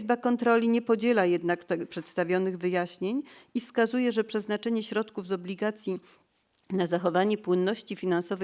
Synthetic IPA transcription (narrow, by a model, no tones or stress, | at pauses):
zbakɔnt̪ɾɔlʲiɲɛpɔd͡ʑɛlajɛd̪nakt̪ɛpʂɛt̪st̪avʲjɔnɘɣvɘjaɕɲeɲifskazujɛʐɛpʂɛznat͡ʂɛɲɛɕɾɔt̪kuvzɔblʲiɡat̪sʲji | nazaxɔvaɲɛpwɘnːɔɕt͡ɕifʲinansɔvɛ